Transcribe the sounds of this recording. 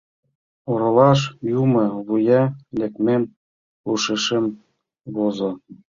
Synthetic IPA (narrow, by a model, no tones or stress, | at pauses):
oɾɤ̆lɑʃ̬jumɤ̆βujɑlʲĕkmen | uʃĕʃem | βozŏ